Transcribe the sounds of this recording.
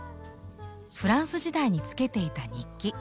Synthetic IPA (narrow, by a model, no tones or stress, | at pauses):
ɸɯ̟ɾãɰ̃sɨʑid̪aiɲ̟it͡sɨ̥ke̞t̪e̞it̪aɲ̟ikʲːi